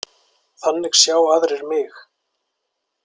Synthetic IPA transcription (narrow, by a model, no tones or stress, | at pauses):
θanːɪɣsjaːwaðɾɛɾmɪx